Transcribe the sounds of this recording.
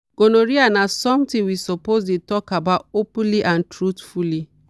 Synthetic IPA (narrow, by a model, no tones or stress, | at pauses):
ɡ̥onoɾianasɔ̃mtɪ̃ŋwisopozdetɔkabatopũnliʔãntɾutfuli